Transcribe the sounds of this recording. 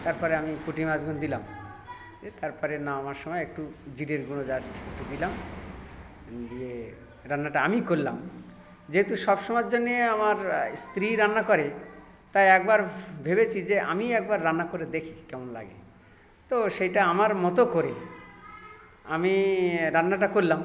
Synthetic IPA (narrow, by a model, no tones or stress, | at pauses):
t̪aɾpɔɾeamikuʈimad͡ʑɡund̪ilam | et̪aɾpɔɾenaamaɾʃɔmɔeek̚ʈud͡ʑiɖeɾɡunod͡ʑasʈʰek̚ʈud̪ilam | d̪ie | ɾanːaʈaamikoɾla̰m | d͡ʑeɦet̪uʃɔbʃɔmɔd͡ʑd͡ʑonːeamaɾst̪ɾiɾanːakɔɾe | t̪ajɛk̚baɾbʱebet͡ɕʰid͡ʑeʔa̰miɛk̚baɾːanːakoɾed̪ekʰi̥kɛmonla̰ɡḛ | t̪oʃejʈaamaɾmɔt̪okoɾe | a̰miɾanːaʈ̬akoɾlam